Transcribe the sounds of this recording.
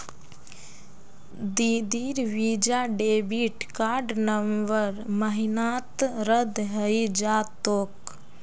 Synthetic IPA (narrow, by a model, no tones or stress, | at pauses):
d̪iːd̪iːɾʋiːd͡ʒaːɖeːbiʈkaːɾɖnəmbəɾməɦinaːt̪ɾəd̪ɦəjid͡ʒaːt̪oːk